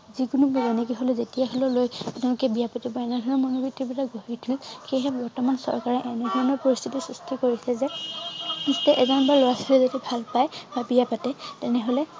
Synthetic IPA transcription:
zikunubbɔnɛkiɦolɛzetijaɦɔlɔlojtlʊkɛbijapatibɔɛnɛdʱɔɹnɔmɔnobitʰːibitaɡoɦitʰulxejɦɛbɔɹtɔmansɔ̰ɹkaɹɛʔɛnɛdʱɔɹɔnɔɹpɔɹist̪ʰitisustʰikoɹisɛzɛ | nistɛʔɛzɔnbaɹlojasilɛzodibʱalpajbabijapatɛtɛnɛɦolɛ

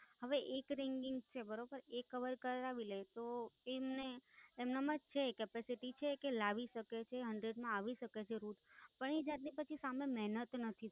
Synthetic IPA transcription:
ɦəʋeʔekɾɛŋɡɪŋɡt͡ʃʰebəɾobəɾekəʋəɾkəɾɾaʋilet̪oemneːmnamãd͡ʒt͡ʃʰekɛpesiʈit͡ʃʰekelaʋiʃəket͡ʃʰeɦəɳɖɾeɖmãaʋiʃəket͡ʃʰeɾuʈ̪pəɳid͡ʒat̪̚nipət͡ʃʰisamemɛɦnət̪nət̪ʰi

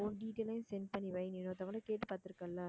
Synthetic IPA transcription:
onɖiːʈeːlɐɪnsɛnpɐnːiʋɐjnɪnoːt̪ɐʋɐɭɐkeːʈːɯpaːɾt̪ɪɾɯkːɐlːa

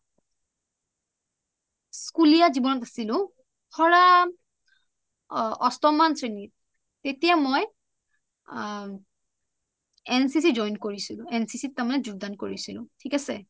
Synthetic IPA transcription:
skulijazibɔnɔtasilʊ̃ | xɔɹa | ɔstɔmantʰɹenit̚ | tetijamoj | ɛnsis̬izɔjnkoɹisilʊ̃ɛnsisit̚tːamanɛzuɡ̚dankoɹisilʊ̰̃tʰikasɛ̰

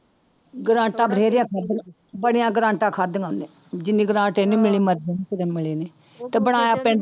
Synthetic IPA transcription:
ɡəɾãːʈaːbəɽeːɾɪjãːkʰad̪ | bəɽɪjãːɡɾãːɳʈãːkʰad̪ŋãːneː | d͡ʒɪnĩːɡəɾãːʈeːnũːmɪliːməɾd͡ʒenːkəɾeːmɪleːneː | t̪eːbəɽ̃aːjaːpɛ̃ːɳ

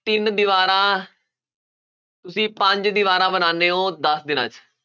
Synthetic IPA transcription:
t̪ɪnd̪ɪʋaːɾãː | t̪ʊsĩːpəɲd͡ʒd̪ɪʋaːɾãːbənaːneːõːd̪əsd̪ɪna̰ːt͡ʃ

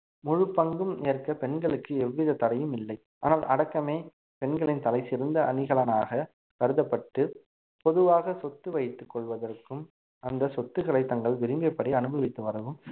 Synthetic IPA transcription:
mʊɻɯpːɐŋɡɯmɪɐrkɐpɛnɡɐɭɯkːɯɛʋːɪðɐt̪ɐɽɐjɯmɪlːɐɪ | aːnaːlʔɐɽɐkːɐmeː | pɛɳɡɐɭɪnt̪ɐlɐɪsɪɾɯnd̪ɐɐnɪɣɐɭɐnaːɣɐ | kɐɾɯðɐpːɐʈːɯ | pɔðɯʋaːɣɐsɔt̪ːɯʋɐjɪt̪ːɯkːɔɭʋɐðɐrkːɯm | ɐnd̪ɐsɔt̪ːɯɣɐɭɐɪt̪ːɐŋɡɐɭʋɪɾɪmbɐpːɐɽɪɐnɯbɐʋɪt̪ːɯʋɐɾɐʋɯm

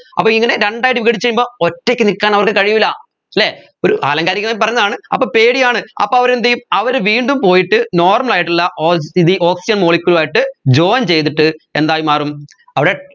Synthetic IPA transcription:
ɐpːoːiŋːɐne̞ɾeɳɖaːjiʈːiʋiɣɐɽit͡ɕːejumbo̞ːotːekʲːɨnikːaːnɐʋɐrkːɨkɐɻijʋilɐ | leː | oɾuʔaːlɐŋɡaːɾikːɐmaːjmpɐrɐɲːɐðaːɳɨɐpːoːpe̞ːɽijaːɳɨɐ̰pːoːɐʋɐɾend̪ɐjumɐʋɐɾʋiːɳɖumpo̞ːjiʈːɨno̞ːrmɐlaːjiʈːilːɐʔoːiðɨʔo̞ːksid͡ʑɐnmoːɭikʲːulaːjiʈːɨd͡ʑoːnt͡ɕe̞jt̪iʈːɨe̞̰nd̪aːjumaːrum | ɐʋiɽe

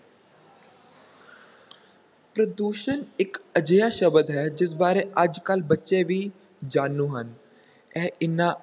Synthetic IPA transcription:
pɾəd̪uːʃənɪkəd͡ʒəjaːʃəbəd̪ɦɛːd͡ʒɪs̬baːɾeːʔəd͡ʒkəlbətːʃeːʋiː | d͡ʒaːnːũːɦən | ɛːɪnãː

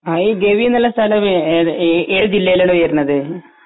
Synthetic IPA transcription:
aiːɡeːʋinɐlːɐst̪ʰɐlɐm | eːɻɨd͡ʑilːejilaːɳɨʋujɐɾnːɐðɨ

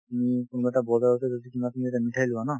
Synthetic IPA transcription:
tumikunɡɛtabɔdaotɛzodikimatumizetamitʰajlʊana

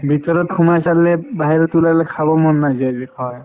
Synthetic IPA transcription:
bʱit̪ɔɾɔt̚kʰumasallɛbaɦiɾɔtulalɛkʰabɔmɔnːazabikʰɔj

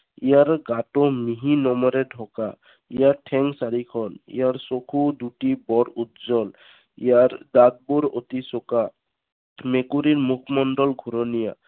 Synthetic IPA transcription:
ijaɾɡaʈɔmiɦinɔmɔɾɛɖʱɔka | ijaʈʰɛŋsaɾikʰɔnḭjaɹsokʰud̪uʈibɔɾut̪zɔl | ijaɾd̪ad̪̚buɾot̪isɔka | mekuɾiɾmukʰmɔnɖɔlɡʱuɾɔnija̰

